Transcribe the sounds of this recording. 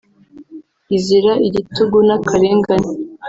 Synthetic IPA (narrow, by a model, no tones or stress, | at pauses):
iziɾaʔiɟituɡunakʰaɾeːŋɡani